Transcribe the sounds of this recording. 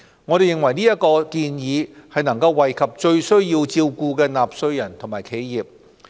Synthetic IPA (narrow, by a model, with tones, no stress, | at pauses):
ŋɔː˨˧ɾe˨jɪ˨ŋwɐ˨˩jniː˥jɐ˥t̚kɔː˧kiː˧njiː˨˧hɐ˨jnɐ˨˩ŋkɐ˧wːɐ˨˩jkʰɐ˨p̚t͡ʃɵ˧ɥsɵ˥ɥjiː˧wt͡siː˧wkuː˧kɛː˧naː˨p̚sɵ˧ɥjɐ˨˩nt̪ʰʊ˨˩maː˨˩jkʰe˨˧jjiː˨˩p̚